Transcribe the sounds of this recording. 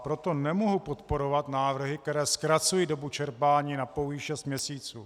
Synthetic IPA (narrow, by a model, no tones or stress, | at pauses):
pɾo̞t̪o̞nɛmoɦupot̪po̞ɾo̞vat̪naːvr̩ɦɪkt̪ɛɾɛːskɾat͡sujiːdo̞but͡ʃɛɾpaːɲiːnapowjiʃɛst̪mɲɛsiːt͡suː